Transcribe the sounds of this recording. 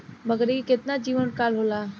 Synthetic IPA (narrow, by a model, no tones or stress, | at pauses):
bəɡəɾikɪt̪nad͡ʒiːʋənkaːlɦola